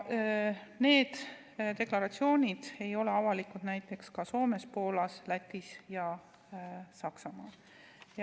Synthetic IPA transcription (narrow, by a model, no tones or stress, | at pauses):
ne̞ːd̪̥ | d̪e̞klɑɾɑt̪sio̞ːnʲid̪̥e̞jo̞leɑvɑlikud̪̥næjt̪ːˑe̞kskɑso̞ːme̞spo̞ːlɑslæt̪ʲːˑisjɑ | sɑksɑmɑː | j